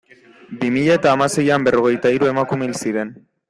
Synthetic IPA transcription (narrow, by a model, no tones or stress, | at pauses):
bimiʎaet̪aːmase̞jambe̞ro̞ɣe̞jt̪aiɾue̞makumelsiɾe̞n